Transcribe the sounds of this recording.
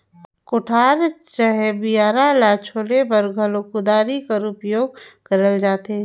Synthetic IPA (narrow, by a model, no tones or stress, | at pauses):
kʊʈʰaːɾt͡ʃəɦɛbijaːɾalaːt͡ʃʰoːlebɐɾɡʱəlokʊd̪aːɾikəɾʊpjoːɡ̚kɐɾəld͡ʒaːt̪eɛ̃